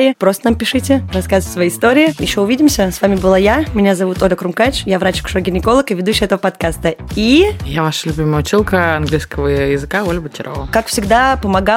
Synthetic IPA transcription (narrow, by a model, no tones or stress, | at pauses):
ɪɪpɾost̪ənampʲɪʂɨtʲɪrɐskazəsvɐjiɪst̪o̞ɾʲɪːmjɪɕːoʊvʲidʲɪmsʲəsvamʲɪbɨlˠajamʲɪnʲazɐvut̪olʲəkɾʊmkat͡ɕjavɾat͡ɕkʊ̥ʂoɡʲɪnʲɪko̞lˠəkɨvʲɪd̪uɕːɪjɛt̪əvəpɐt̪kast̪əijavaʂəlʲʊbʲiməjʊt͡ɕilˠkəɐnɡlʲiskəvəjɪzɨkaolʲbətʲɪɾo̰vəkakfsʲɪɡd̪apəmɐɡa